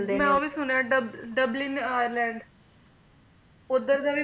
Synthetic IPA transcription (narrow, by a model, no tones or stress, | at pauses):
mɛ̃ːoːʋiːsʊnaːɖəbɖəblɪnaːjəɾlɛ̃ːɳɖ | ʊd̪əɾd̪ãːʋiː